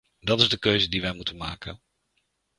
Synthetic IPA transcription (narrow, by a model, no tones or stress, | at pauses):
dɑtɪzdəkøɥzədiʋɛjmutənma̰ːkə̰n